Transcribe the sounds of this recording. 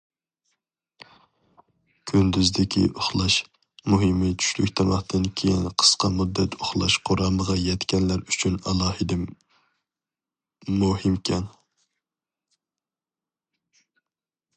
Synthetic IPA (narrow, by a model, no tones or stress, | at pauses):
kʲʰynd̪yzd̪ɪkʲʰḭʔoχlˠɑʃ | muɦɪmɨt͡ʃʰy̥ʃlykʲt̪ʰɑmɑχt̪ʰɨnkʲʰejinqʰə̥sqɑmud̪ːɛt̪oχlˠɑʃqʰoɾɑməʁɑjɛt̪kʲɛnlæɾyt͡ʃʰynɑlˠɑːhɨd̪ɛ | muhɪmkʲʰɛn